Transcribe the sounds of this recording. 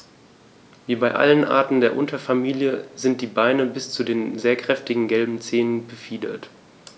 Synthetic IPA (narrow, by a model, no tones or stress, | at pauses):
viːbaɪʔa̰lənʔa̰ɐtn̩deːɐʔʊntɐfamiːljəzɪnt̚d̥iːbaɪnəbɪst͡sudeːnzeːɐkʁ̥ɛftɪɡŋ̩ɡɛlbm̩t͡seːnənbəfiːdɐ̰t